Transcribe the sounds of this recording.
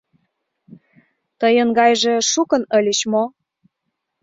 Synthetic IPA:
t̪əjənɡɑjʒĕʃukə̆nə̆lʲeɕmo

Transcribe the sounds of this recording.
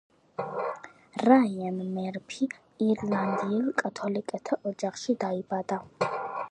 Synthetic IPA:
ɾajɛmmɛɾpʰiː | ɾland̪iɛlkʼat̪ʰolikʼɐt̪ʰɐʔɔd͡ʒaχʃid̪aibad̪a

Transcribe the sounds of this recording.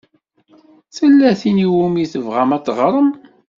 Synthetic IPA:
θəlːæθiniwumiθəvʁæmæt͡sːʁɾˤəm

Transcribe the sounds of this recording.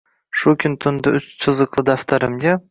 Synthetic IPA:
ʃʊkʲʰʊnt̪ʰʊnd̪ɪʔʊt͡ʃt͡ʃʰɨzɨqlˠɪd̪aft̪ʰaɾɪmɡʲa

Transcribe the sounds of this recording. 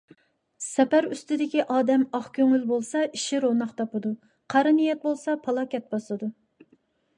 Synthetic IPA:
sɛpæɾyst̪ɪd̪ɪkʲiʔɑːd̪ɛmɑχkʲʰøŋylbolˠsɑʔiʃiɾonɑχt̪ʰɑpɨd̪u | qʰɑɾɪnijɛt̪̚bolˠsɑpʰɑlˠɑkʲɛt̪̚bɑslˠɨd̪u

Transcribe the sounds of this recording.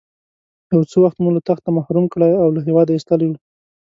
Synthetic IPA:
jawt͡səwaxt̪mulat̪axt̪amahɾumkɽajawlaɦewɑd̪aist̪alijwu

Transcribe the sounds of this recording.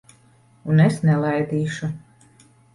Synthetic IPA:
unesnɛlˠajd̪iːʃu

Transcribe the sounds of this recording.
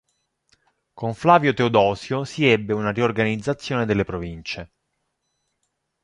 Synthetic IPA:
koɱflaːvjot̪eod̪ɔːsjosiɛbːeunariorɡanid̪zːat̪sːjoːned̪elːepɾovint͡ʃe

